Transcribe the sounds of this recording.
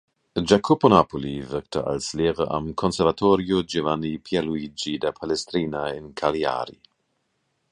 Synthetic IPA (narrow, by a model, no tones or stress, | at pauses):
d͡ʒakʰoponapʰolivɛktəʔa̰lsleːʁəʔa̰mkʰonsɛʁvatʰoɾjod͡ʒevanipʰialuid͡ʒidapʰalestɾiːnaɪnkʰalia̰ɾḭ